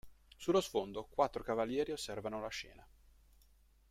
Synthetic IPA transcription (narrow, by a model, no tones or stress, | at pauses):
sulːosfond̪okwat̪ːɾokavaljɛːɾiosːɛrvanolaʃɛ̰ːna